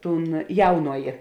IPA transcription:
ˈtuːn ˈjɛʊnoːjeː

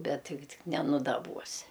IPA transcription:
ˈbʲɛt ˈtʲɪɡʲɪ ˈtʲɪk nʲɛnʊdɐˈbuɔsʲɪ

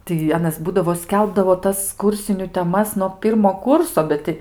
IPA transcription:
tɐɪ ˈɑːnɐs ˈbuːdɐʋoː ˈsʲkʲɛlˠbdɐʋoː ˈtɐs ˈkuːrʲsʲɪnʲʊ tʲɛˈmɐs nuɔ ˈpʲiːrmoː ˈkʊrsoː ˈbʲɛt tʲɪ

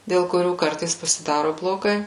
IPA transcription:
dʲeːlˠ kʊˈrʲuː ˈkɐrtɐɪs pɐsʲɪˈdɑːroː blˠoːˈɡɐɪ

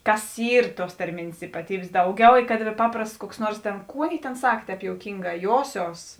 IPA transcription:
ˈkɐs ˈiːr ˈtuɔs tɐrʲˈmʲeːnʲeːs iːpɐˈtʲiːbʲeːs ˈdɐʊˌɡʲɛʊ ɪ kɐt ˈpɑːprɐsts kuɔks ˈnuɔrs tʲeːn ˈkuː ˈɑːˌnʲeːɪ tʲeːn ˈsɐk ˈtʲɛːp joːʊˈkʲiːŋɡɑː ˈjoːsʲoːs

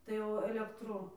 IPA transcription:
tɐɪ ˈjɛʊ ɐlʲɛkˈtrʊ

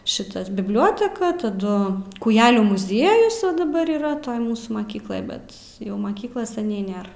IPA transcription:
ˈʃʲɪtɐs bʲɪbʲˈlʲoːtʲɛkɐ tɐˈdʊ kuːˈjæːlʲuː mʊˈzʲiɛjʊs ˈʋɐ dɐˈbɐr iːˈrɐ ˈtoːj ˈmuːsuː mɐˈkʲiːklˠoːj ˈbʲɛt ˈjɛʊ ˈmɑːkʲiːklˠɐs sʲɛˈnʲɛɪ ˈnʲeːr

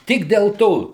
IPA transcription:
ˈtʲɪk dʲɛlˠ ˈtoː

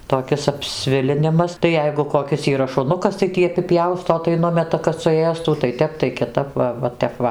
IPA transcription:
toːˈkʲɪs ɐpʲˈsʲʋʲɪlʲɪnʲɪmɐs tɐɪ ˈjɛɪɡʊ koːˈkʲɪs iːˈrɐ ʃʊˈnʊkɐs tɐɪ ˈtʲiː ɐpʲɪˈpʲjɛʊstoː tɐɪ ˈnʊmʲɛtɐ kɐt sʊˈeːstuː tɐɪ ˈtʲɛp tɐɪ kʲɪˈtɐp ˈʋɐ ˈʋɐ tʲɛp ˈʋɐ

